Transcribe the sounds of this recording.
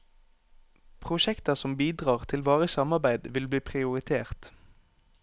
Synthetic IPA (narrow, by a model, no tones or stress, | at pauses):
pʰʁʊʃɛkt̪əsɔmbiːd̪ʁɑːʁt̪ʰɪlʋɑːʁəsɑmɑʁbæɪd̪ʋɪlbliːpʰʁɪʊʁɪt̪ʰeːʁt̪